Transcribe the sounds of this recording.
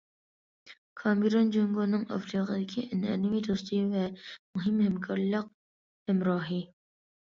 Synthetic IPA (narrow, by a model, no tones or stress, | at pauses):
kʰɑmiɾond͡ʒoŋɡonɨŋɑ̰fɾiːqəd̪ɪkʲʰiʔɛnɛ̰nɪmit̪ʰost̪ʰɨvɛmuɦɪmhɛmkʰɑɾlˠəq̚ | hɛmɾɑːɦi